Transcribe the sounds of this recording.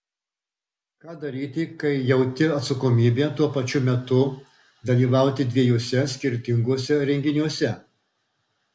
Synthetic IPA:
kɑːd̪ɐɾʲiːt̪ʲɪkɐɪjɛʊt̪ʲɪɐt̪sɐkoːmʲiːbʲeːt̪uɔpɐt͡ʃʲʊmʲɛt̪ʊ | d̪ɐlʲiːʋɑˑʊt̪ʲɪd̪ʲʋʲiɛjuɔsʲɛsʲkʲɪɾʲt̪ʲɪŋɡuɔsʲɛɾʲɛŋʲɡʲɪnʲuɔsʲɛ

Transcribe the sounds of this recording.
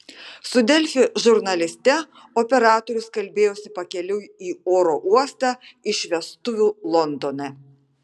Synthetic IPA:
sʊd̪ʲɛlʲfʲɪʒʊɾnɐlʲɪsʲt̪ʲɛ | opʲɛɾɑːt̪oːɾʲʊskɐlʲbʲeːjoːsʲɪpɐkʲɛlʲʊiːoːɾoːʔuɔst̪ɑɪʃʲʋʲɛst̪ʊʋʲulˠɔnd̪oːnɛ

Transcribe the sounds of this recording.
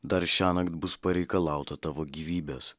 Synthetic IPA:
d̪ɐɾʃʲæːnɐkt̪bʊspɐɾʲɛɪkɐlˠɑˑʊt̪ɐt̪ɑːʋoːɡʲiʋʲiːbʲeːs

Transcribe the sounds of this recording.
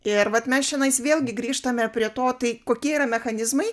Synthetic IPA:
ɪɾʋɐt̪mʲɛsʃʲɪnɐɪsʋʲeːlʲˠɡʲɪɡɾʲiːʃt̪ɐmʲɛpʲɾʲiɛt̪oːt̪ɐɪkoːkʲiɛiːɾɐmʲɛxɐnʲɪzmɐɪ

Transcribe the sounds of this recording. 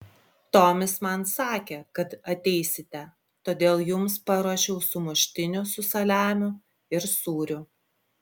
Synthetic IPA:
t̪oːmʲɪsmɐnsɑːkʲekɐt̪ɐt̪ʲɛɪsʲɪt̪ʲɛ | t̪oːd̪ʲeːlˠjʊmspɐɾoːʃʲɛʊsʊmʊʃʲt̪ʲɪnʲʊsʊsɐlʲæːmʲʊ | ɪɾsuːɾʲʊ

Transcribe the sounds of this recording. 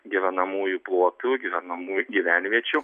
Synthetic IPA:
ɡʲɪʋʲɛnɐmuːjuplˠuɔt̪uɡʲiʋʲɛnɐmuːjʊɡʲiʋʲæːnʲʋʲiɛt͡ʃʲʊ

